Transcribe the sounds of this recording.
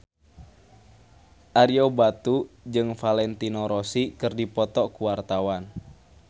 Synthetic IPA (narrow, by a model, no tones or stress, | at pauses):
ʔaɾiobat̪ud͡ʒɨŋfalɛnt̪inɔɾɔsikɨrdipɔt̪ɔkuwart̪awan